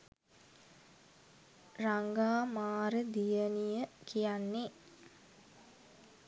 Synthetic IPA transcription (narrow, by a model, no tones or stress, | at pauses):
raŋɡaːmaːɾəd̪ijənijəkʰijanːe